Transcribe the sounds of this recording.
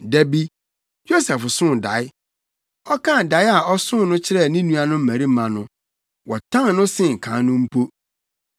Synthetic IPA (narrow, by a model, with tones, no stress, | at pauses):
dæ˨bi˦ | jo˦sɛ˨fsʊ̃˦˨da˨˦ɪ˦ | ɔ˦kʰã˦˨da˨˦ɪ˦a˨ʔɔ˦sʊ̃˦nʊ̃˦t͡ɕʰɪ˦ɾɛ˦˨nĩ˦nũ˦a˨nʊ̃˦m̩˦mæ̃˨ɾi˦mã˨nʊ̃˦ | wɔ˨tʰã˦ŋ˦nʊ̃˦sɪ̃˦˨ŋ̩˨kʰã˨˦nʊ̃˦m̩˦pʰo˦